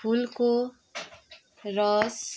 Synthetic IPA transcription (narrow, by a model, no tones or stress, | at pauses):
pʰulko | rʌs